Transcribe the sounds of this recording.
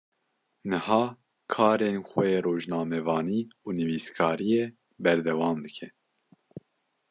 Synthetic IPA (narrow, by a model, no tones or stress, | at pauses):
nɨhɑː | kʰɑːɾenxɛjeːroːʒnɑːmɛvɑːniːuːnɨviːskʰɑːɾijeː | bɛɾd̪ɛwɑːmd̪ɨkʰɛ